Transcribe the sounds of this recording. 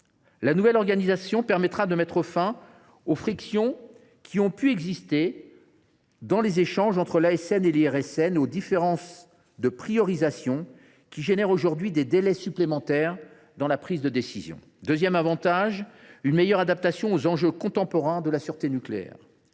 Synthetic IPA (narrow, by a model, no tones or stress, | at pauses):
lanuvɛlɔʁɡanizasjɔ̃pɛʁmɛt̪χad̪əmɛt̪χəfɛ̃ | ofχiksjɔ̃ | kʲʰiɔ̃pyɛɡzist̪e | d̪ɑ̃lezeʃɑ̃ʒɑ̃t̪χəlaɛsɛneliɛʁɛsɛnod̪ifeʁɑ̃s | d̪əpχijɔʁizasjɔ̃ | kʲiʒenɛʁoʒuʁd̪ɥid̪ed̪elɛsyplemɑ̃t̪ɛʁ | d̪ɑ̃lapχizd̪əd̪esizjɔ̰̃ | d̪øzjɛmavɑ̃t̪aʒynmejœʁad̪ap̚t̪asjɔ̃ozɑ̃ʒøkɔ̃t̪ɑ̃pɔʁɛ̃d̪əlasyʁt̪enykleɛ̰ʁ